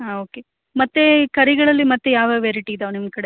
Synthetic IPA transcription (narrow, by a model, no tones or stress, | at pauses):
aoːke | mɐt̪ːekɐɾiɡɐɭɐlːimɐt̪ːejaːʋɐʋeːɾiʈid̪ɐʋnim̚kɐɽe